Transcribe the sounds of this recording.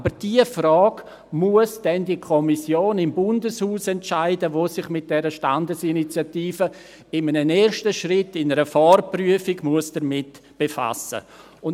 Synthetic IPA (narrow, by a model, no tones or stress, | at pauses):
abəɾd̥iːəfrɔːɡ | muəsd̥ɛndikʰɔmisjoːnɪmbʊndəshuːsɛntʃaɪdəvoːsɪχmɪt̚d̥ɛɾəʃtandəsinit͡sjatiːfə | ɪmənəneːɾʃtəʃrɪtːɪnəɾəfɔrpryəfiɡmuəsd̥əɾmɪtb̥efa̰sə̰ | ʊn